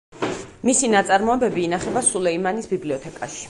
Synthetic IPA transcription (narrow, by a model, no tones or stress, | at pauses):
misinat̪sʼaɾmɔɛbɛbiːnaχɛbasulɛimanisbibliɔt̪ʰɛkʼaʃi̥